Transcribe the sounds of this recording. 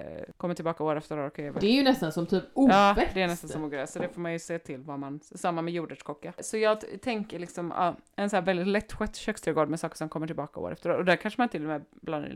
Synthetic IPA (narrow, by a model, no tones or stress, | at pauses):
kʰɔmːəʈʰɪlbɑːkaoːɾɛft̪əɾoːɾkʰeːvəd̪ɛɾjɵnɛst̪ansɔmt̪ʰyːpuɑːɛɛnɛst̪ansɔmuːɡɾɛjasɔd̪ɛfoːɾmanjɵseːt̪ʰɪlvamansamːamɛjuːɖəʂkʰɔkːasɔjɑːɡt̪ʰɛŋkəɭɪksɔmɑ̰ɛnsɔæːɾvɛld̪ɪt̪lɛt̪ːɧɛt̪ːɕœːkst̪ɾɛɡoːɖ̪mɛsɑːkə̥ʂɔmkʰɔmːəʈʰɪlbɑːkao̰ːɾɛft̪əɾoːɾɔd̪ækʰanʂəmant̪ɪlːɔmɛblɑn̰